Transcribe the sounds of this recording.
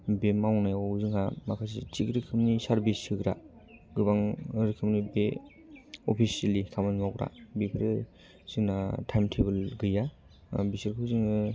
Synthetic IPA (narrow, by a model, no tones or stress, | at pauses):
bemawnajzɯŋɦamakʰas̬ḭt͡ʃikɾikʰɯmnisaɾbisɯkɾa̰ | ɡɯbaŋɾikʰɯmnibe | ɔpʰisialikʰamanmawɾa̰bekʰɯɾɯ | z̥ɯŋnatʰajmtʰeβɯlɡɯja | bisiɾkʰɯzɯŋɯ